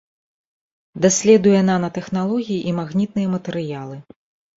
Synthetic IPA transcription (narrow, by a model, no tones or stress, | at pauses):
d̪asʲlʲɛd̪ujɛnanɐt̪ɛxnalˠɔɣʲijiʔimaɣnʲit̪̚nɨjɛmɐt̪ɛɾɨjalˠɨ